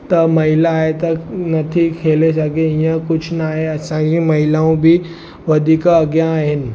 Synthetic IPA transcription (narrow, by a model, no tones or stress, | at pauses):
t̪ɐmɐɦilaːɦet̪ənɐt̪ʰikʰelesaɡeɦĩjãkʊt͡ʃʰnaːɦeəsãd͡ʑĩmɐɦilaũbʱi | ʋəd̪ʱikaːɡjãːɦen